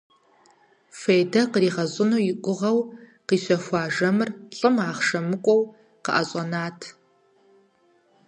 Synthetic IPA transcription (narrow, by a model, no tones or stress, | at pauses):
feːjdɐqəriːʁɐɕʼɪnuːjɪkʷʼʊʁɐwqiːɕʷɔxʷɑːʒɐmɨrɬʼɨmaːχʂɐmɨkʷʼɔw | qəʔɐɕʼɐnaːtʰ